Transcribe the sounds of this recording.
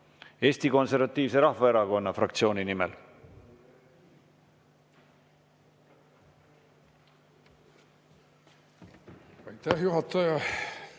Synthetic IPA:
e̞ːsʲt̪iko̞nseɾvɑt̪ˑːiːvse̞ɾɑhvɑe̞ɾɑko̞nːɑfrɑk̚t̪sio̞ːninimḛl | ɑjt̪æhjuhɑt̪ːɑjɑ

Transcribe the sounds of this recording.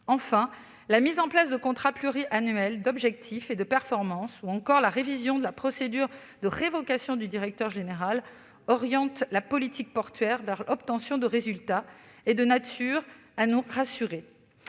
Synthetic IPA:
ɑ̃fɛ̃ | lamizɑ̃plasd̪əkɔ̃t̪χaplyʁiʔanɥɛld̪ɔbʒɛk̚t̪ʰifed̪əpɛʁfɔʁmɑ̃suɑ̃kɔʁlaʁevizjɔ̃d̪əlapχɔsed̪yʁ | d̪əʁevɔkasjɔ̃d̪yd̪iʁɛk̚t̪œʁʒeneʁal | ɔʁjɑ̃t̪lapɔlit̪ik̚pɔʁt̪ɥɛʁvɛʁʔɔp̚t̪ɑ̃sjɔ̃d̪əʁezylt̪aed̪ənat̪ʰyʁanuʁasyʁe

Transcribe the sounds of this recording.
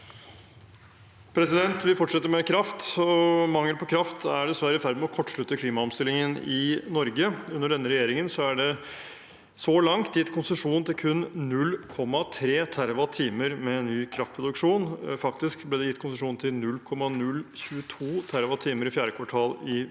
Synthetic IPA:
pʰɾɛsɪd̪ɛnt̪ʋɪfɔʈʂɛt̪ːəɾmɛkʰɾɑft̪ɔmɑŋːəlpʰɔkʰɾɑft̪æɖɛsʋæɾəfæɾd̪mɛɔkʰɔʈːʂɭʉt̪ːəkʰliːmɑɔmst̪ɪlːɪŋənɪnɔɾɡəʉnːəɖɛnːəɾɛjeːɾɪŋənsɔæɖɛ | sɔlɑŋt̪jɪt̪ːkʰʊnsəʂuːnnt̪ʰɪlkʰʉnnʉlːkʰɔmːɑt̪ʰɾeːt̪ʰæɾʋɑt̪ʰiːməɾmɛnːyːkʰɾɑft̪̚pʰɾʊd̪ʉkʂuːnfɑkt̪ɪskblɛːd̪ɛjɪt̪ːkʰʊnsəʂuːnt̪ʰɪlnʉlːkʰɔmːɑnʉlçʉːət̪ʰuːt̪ʰæɾʋɑt̪ʰiːməɾɪfjæːɾəkʰʋɑʈʰɑːlɪ

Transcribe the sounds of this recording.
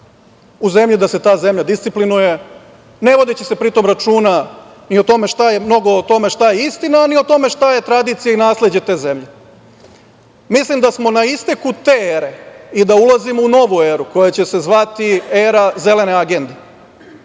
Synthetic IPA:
uze̞mʎid̪ase̞t̪aːze̞mʎad̪ist̪siplinuje̞ | ne̞ʋo̞d̪it͡ɕese̞pɾit̪o̞mɾat͡ʃuːna | niot̪o̞me̞ʃt̪aje̞mno̞ɡo̞ːt̪o̞me̞ʃt̪ajeist̪inaːnio̞t̪o̞me̞ʃt̪aje̞t̪ɾad̪it̪sijainaːsle̞d͡ʑe̞t̪e̞ːze̞mʎe̞ | mislimd̪asmo̞naist̪e̞kut̪e̞eːɾe̞id̪aulˠazimouno̞ʋueːɾuko̞jet͡ɕe̞se̞zʋat̪ieːɾaze̞le̞neaɡe̞nd̪e

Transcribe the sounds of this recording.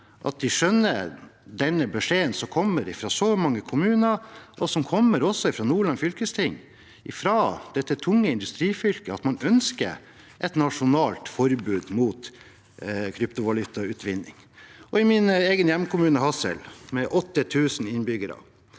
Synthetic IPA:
ʔɑ̰t̪̚d̪ɪʂœnːə̰ɾd̪ɛnːəbɛʂeːənsɔmkʰɔmːəɾɪfɾɑːsɔmɑŋːəkʰʊmʉːnəʔɔsɔmkʰɔmːəɾɔsːɔɪfɾɑːnuːɭɑnfʏlkəst̪ʰɪŋː | ɪfɾɑd̪̥ɛt̪ːət̪ʰʊŋːəɪnd̪ʉst̪ɾiːfʏlkəɑt̪mɑnœnskə̰ | ʔɛt̪nɑʂʊnɑːlt̪fɔɾbʉːd̪muːt̪ | kʰɾʏpt̪ʊʋɑlʉt̪ɑʉːt̪ʋɪnːɪ̰ŋ | ɔɪmɪneːɡənjɛmkʰʊmʉːnəɦɑsə̰lmɛʔɔt̪ːət̪ʰʉːsn̩ɪnbʏɡəɾɑ̰

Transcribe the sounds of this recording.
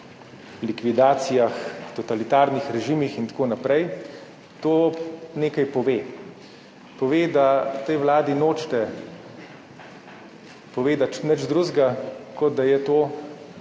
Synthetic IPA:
likʋid̪aːt̪sijaxt̪ɔt̪alit̪aːɾnixɾɛʒimixint̪ḁkoːnapɾɛj | t̪oːneːkajpɔʋeː | pɔʋeːd̪at̪ɛjʋlaːd̪inoːt͡ʃt̪ɛ | pɔʋeːd̪at͡ʃnɛd͡ʒd̪ɾuzɡakɔd̪̚d̪ajɛt̪oː

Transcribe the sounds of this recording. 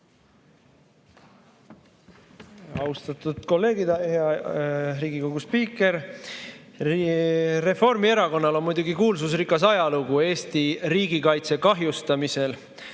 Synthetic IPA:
ɑwst̪ɑt̪ud̪̥ko̞lːe̞ːɡid̪̥heɑɾiːɡ̥iko̞ɡ̥uspiːkːˑe̞ɾ | re̞fo̞rmie̞ɾɑko̞nːɑlo̞nmujd̪̥uɡikuːlsus̬rikːˑɑs̬ɑjɑluɡue̞ːst̪iɾiːɡ̥ikɑjt̪se̞kɑɦjust̪ɑmise̞l

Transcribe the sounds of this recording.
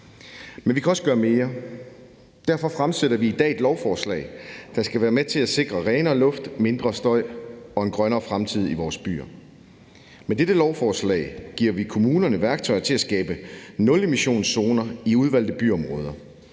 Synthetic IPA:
menʋikʰæɒ̽səɡ̥ɶːɐme̝ːɐ | d̥æɐfɒ̽fʁamseɾ̥ɐʋiid̥ɛ̰ːe̝d̥lɒʊfɒːslɛ̰ɪd̥ɑ̈sɡ̥æʋæːɐmet͡sʰe̝læse̝ɡ̥ʁɐʁɛːnɐɒ̽lɔ̽fd̥me̝nd̥ʁɐsd̥ɒ̽ɪ̰ɒ̽e̝nɡ̥ʁɶnɐːfʁamt͡sʰið̞̰ˠiʋɒːsb̥y̰ːɐ | med̥ed̥əlɒʊfɒːslɛ̰ɪɡ̥iɐ̰ʋikʰo̝muːnɐnəʋæɐɡ̥̚t͡sʰɒɪɐt͡sʰe̝læsɡ̥ɛːb̥ənɔ̽le̝miɕo̝̰ːnso̝ːnɐiuð̞ˠʋæl̰d̥ð̩b̥y̰ɒ̽mʁɔ̽ːð̞ˠɐ

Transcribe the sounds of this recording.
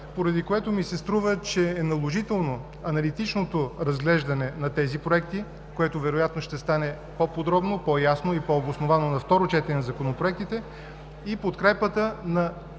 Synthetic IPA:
poɾɐd̪ikoɛt̪omisɛst̪ɾuvət͡ʃɛːnɐlˠoʒit̪ɛlˠno | ɐnɐlit̪it͡ʃnot̪oɾɐzɡlɛʒd̪ɐnɛnɐt̪ɛzipɾoɛk̚t̪i | koɛt̪ʊvɛɾojat̪noʃt̪ɛst̪anɛ | popod̪ɾɔbnopɔjasnoipɔobosnovanonɐft̪ɔɾot͡ʃɛt̪ɛnɛnɐzɐkonopɾoɛk̚t̪it̪ɛ | ipot̪kɾɛpət̪ənɐ

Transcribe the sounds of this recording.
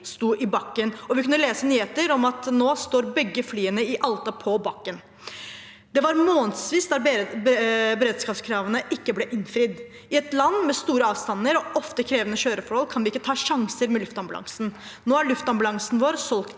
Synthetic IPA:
st̪uːʔɪbɑkːənɔʋɪkʰʉnːəleːsənyːheːt̪əɾɔmɑt̪noːst̪oːɾbɛɡːəflyːənəɪʔɑlt̪ɑpʰɔbɑkːən | d̪ɛʋɑɾmoːnsʋiːsd̪ɑɾ | bəɾeːd̪skɑːpskʰɾɑːʋənəʔɪkːəblɛʔɪnfɾɪd̪ | ɪɛt̪lɑnːmɛst̪uːɾəɑːʋst̪ɑnːəɾɔʔɔft̪əkʰɾeːʋənəɕøːɾəfɔɾhɔlkʰɑnʋɪɪkːət̪ʰɑːʂɑŋsəɾmɛlʉft̪ɑmblɑ̰ŋsn̩ | noːæɭʉft̪ɑmbɑlɑŋsn̩ʋoːɾsɔlkt̪

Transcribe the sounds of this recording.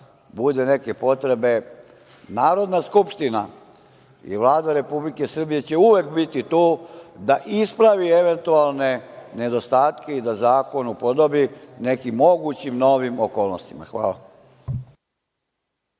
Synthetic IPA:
bud̪ene̞ke̞po̞t̪ɾe̞be̞ | naːɾo̞d̪naskupʃt̪ina | ḭʋlˠaːd̪aɾe̞publike̞sr̩bije̞t͡ɕe̞uʋekbit̪it̪uːd̪aʔispɾaʋie̞ʋe̞nt̪ualˠne̞ne̞d̪o̞st̪aːt̪ke̞id̪azaːko̞nupo̞d̪o̞bine̞kimːo̞ɡut͡ɕimno̞ʋimoko̞ːlˠno̰st̪ima̰xʋa̰ːla̰

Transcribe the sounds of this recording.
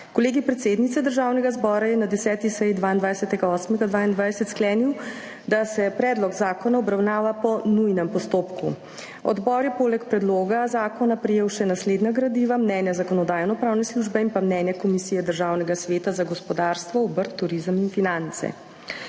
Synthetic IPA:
koleːɡipɾɛt̪seːd̪nit̪sɛd̪əɾʒaːwnɛɡazbɔɾajɛnad̪ɛsɛːt̪isɛjd̪ʋaind̪ʋajsɛt̪ɛɡaɔːsmɛɡad̪ʋaːind̪ʋajsɛt̪sklɛːniw | d̪asɛpɾɛːd̪lɔɡzaːkɔnaɔbɾawnaːʋapɔnujnɛmpɔst̪oːpku | ɔ̰d̪bɔɾjɛpoːlɛkpɾɛd̪loːɡazaːkɔnapɾɛjeːwʃɛnasleːd̪naɡɾad̪iʋamnɛnjazakɔnɔd̪aːjnɔpɾaːwnɛsluʒbɛinpamnɛːnjakɔmisiːjɛd̪əɾʒaːwnɛɡasʋeːt̪azaɡɔspɔd̪aːɾst̪ʋɔɔbəɾt̪ːuɾizəminfinant̪sɛ̰

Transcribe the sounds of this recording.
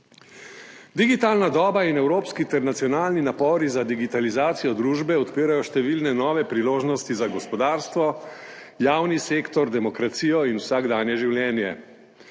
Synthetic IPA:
d̪iɡit̪aːlnad̪ɔːbainɛwɾoːpskit̪ɛɾnat̪sijɔnaːlninapɔːɾizad̪iɡit̪alizaːt̪sijɔd̪ɾuːʒbɛɔt̪piːɾajɔʃt̪ɛʋilnɛnɔːʋɛpɾiloːʒnɔst̪izaɡɔspɔd̪aːɾst̪ʋɔ | jaːwniseːkt̪ɔɾd̪ɛmɔkɾat̪siːjɔinwsaɡd̪anjɛʒiwljɛːnjɛ̰

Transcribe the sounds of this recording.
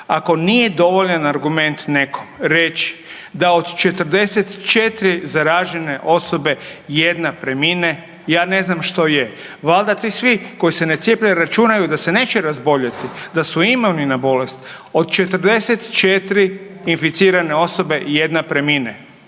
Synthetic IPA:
ako̞nijed̪o̞ʋoʎanaɾɡume̞nt̪ne̞ko̥mɾet͡ʃi̥ | d̪aod̪t͡ʃe̞t̪ər̩d̪e̞set̪t͡ʃet̪ɾizaɾaːʒene̞ʔo̞so̞be̞jed̪napɾemine | jaːne̞znamʃt̪o̞je | ʋalˠd̪at̪isʋiko̞jisenet̪sjepʎeɾat͡ʃunajud̪ase̞neːt͡ʃeɾazbo̞ʎat̪id̪asuimowninabo̞le̞st̪ | o̞d̪t͡ʃe̞t̪r̩d̪e̞set̪t͡ʃet̪ɾiː | nfit̪siːɾane̞o̞so̞be̞je̞d̪napɾemine

